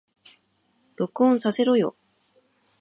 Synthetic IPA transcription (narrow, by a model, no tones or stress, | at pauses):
ɾo̞kɯ̟õɰ̃sase̞ɾo̞jo̞̰